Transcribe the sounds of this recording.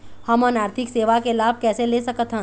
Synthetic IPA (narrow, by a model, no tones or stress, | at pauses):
hɐmənaːɾt̪ʰɪkseːʋakelaːb̚ʱkɛːseleːsɐkət̪ɦɛ̃